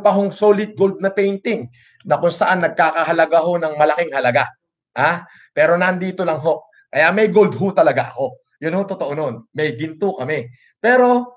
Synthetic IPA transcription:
pɐɦoŋso̞ːlɪt̪̚ɡo̞ld̪̚nɐpɛjnt̪ɪŋ | nɐkʊnsɐʔanːɐɡ̚kaːkɐɦɐlɐɡaɦo̞nɐŋmɐlɐkɪŋhɐlɐɡa | ha | pɛːɾo̞nɐʔɐnd̪iːt̪olɐŋɦo̞ | kɐjamɐjɡold̪̚ɦʊt̪ɐlɐɡaʔɐko̞ | jʊnhot̪ot̪oʔono̞nmɐjɡɪnt̪ukɐmɛ | pɛːɾo̞

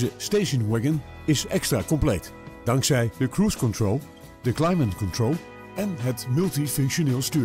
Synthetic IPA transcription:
zəsteʃənwɛɡən | ɪsɛkstraːkɔmplejt | d̥ɑŋksɛjdəkruːskɔntrolˠ | dəklajmənkɔntɹolˠ | ɛnɦətmɵlˠtifɵŋkʃoneːlˠstyː

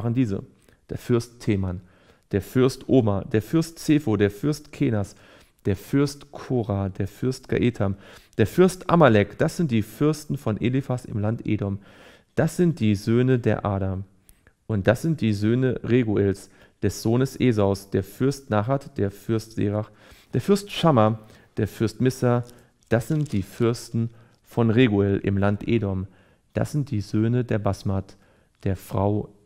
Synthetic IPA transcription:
ʁəndiːzə̰ | d̥eːɐfʏɐsttʰeːman | d̥eːɐfʏɐstʔoːmad̥eːɐfʏɐstt͡seːfodeːɐfʏɐstkʰeːnas | d̥eːɐfʏɐstkʰoːʁadeːɐfʏɐstɡ̥a̰ʔetʰamd̥eːɐfʏɐstʔa̰malɛkd̥asz̥ɪnt̚d̥iːfʏɐstn̩fɔnʔelifasɪ̰mlantʔḛːdɔm | d̥asz̥ɪnt̚d̥iːzøːnədeːɐʔaːɾam | ʔʊnt̚d̥asz̥ɪnt̚d̥iːzøːnəʁeːɡuɛls | d̥ɛsz̥oːnəsʔeːzaʊsd̥eːɐfʏɐstnaχatd̥eːɐfʏɐstz̥ḛːʁaχ | d̥eːɐfɪɐstʃama | d̥eːɐfʏɐstmɪsa | d̥asz̥ɪnt̚d̥iːfʏɐstn̩ | fɔnʁeːɡuɛlʔɪ̰mlantʔeːdɔm | d̥a̰sz̥ɪnt̚d̥iːzøːnədeːɐbasmat | d̥eːɐfʁ̥a̰ʊ

